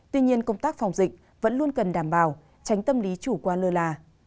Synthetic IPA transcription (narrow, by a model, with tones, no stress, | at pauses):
t̪wi˧ɲi˧ənkə˧wŋ͡mt̪aː˦˥k̚fa˨˧˩wŋ͡mzï˨˩k̟̚ | və̰˧˥nlu˧ənkə˨˩nɗaː˧˩mɓaː˧˩w | t͡ɕa˨˦jŋ̟t̪ə˧mli˨˦t͡ɕu˧˩kwaː˧lɨ˧laː˧